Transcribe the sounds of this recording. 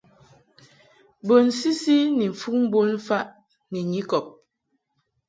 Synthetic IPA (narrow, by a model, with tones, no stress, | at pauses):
bo˨nsi˦si˦ni˨ɱ̩˨fu˦k̚m̩˦bo˦n̩˦fa˦ʔ | ni˨ɲi˦kɔ˨p̚